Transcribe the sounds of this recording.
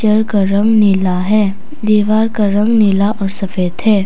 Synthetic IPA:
t͡ʃəɾkaɾɐ̃ŋɡnɪlaɦɛː | d̪iːʋaːɾkaɾɐ̃ŋɡnɪlaʔɔːɾsɐfeːd̪ɦɛː

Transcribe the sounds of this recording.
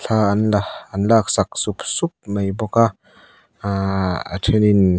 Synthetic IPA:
ɬʰaːɐnlaɐnlak̚sak̚supsup̚majbɔka | a̰tʰenin

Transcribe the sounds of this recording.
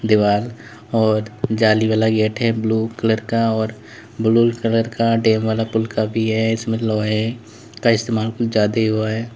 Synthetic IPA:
d̪ɪʋaːl | ɔːɾd͡ʒaːliʋaːlaɡeːʈɦɛbluːkələɾkaɔːɾ | bluːlkələɾkaɖeːmʋaːlapʊlkabʱiɦɛɪsmẽlɔːɦɛ | kaɪst̪eːmaːlkʊt͡ʃd͡ʒjaːd̪eɦʊaɦɛː

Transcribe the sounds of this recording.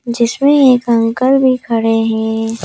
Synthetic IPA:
d͡ʒɪsmẽeːkɐ̃ŋkəlbʱikʰəɽeɦɛ̃ː

